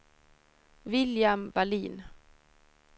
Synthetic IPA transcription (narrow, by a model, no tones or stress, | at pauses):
vɪljamvaliːn